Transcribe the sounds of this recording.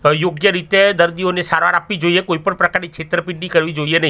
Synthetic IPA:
joɡjəɾit̪ed̪əɾd̪ionesaɾʋa̰ɾapːʋid͡ʒoiekoipəɳpɾəkaɾnikʃʰet̪ɾəpiɳɖikəɾʋid͡ʒoienəɦĩ

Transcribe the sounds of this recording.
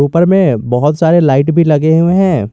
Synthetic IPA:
uːpəɾmẽbɔɦʊt̪saːɾelaːɪʈbʱilɐɡeɦuẽɦɛ̃ː

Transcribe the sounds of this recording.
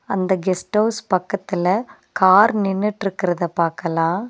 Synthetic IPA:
ɐnd̪ɐɡɛsʈɐːspɐkːɐt̪ːɪlɐ | kaːɾnɪnːɯʈːɪɾɯkːɪɾɐðɐpaːɾkɐlãː

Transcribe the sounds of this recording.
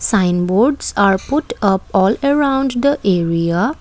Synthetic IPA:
sãɪ̃nboɾɖsaɾpʊʈʌpɔːləɾãʊ̃ɳɖd̪əʔeɾia

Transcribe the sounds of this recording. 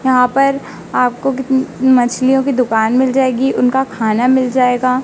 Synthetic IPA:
jɐɦãpɐɾ | aːp̚kokɪmɐt͡ʃʰlijõkid̪ʊkaːnmɪld͡ʒaːeːɡiʔʊnkakʰaːnamɪld͡ʒaːeːɡaː

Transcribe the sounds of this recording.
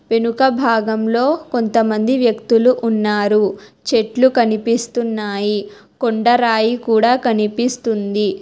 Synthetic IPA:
ʋe̞nukɐbʱaːɡɐmlo̞ːko̞nt̪ɐmɐnd̪iʋjɐkt̪uluʔːnːaːɾut͡ʃe̞ʈlukɐnipist̪unːaːji | koɳɖɐɾaːjikuːɽaːkɐnipist̪und̪i

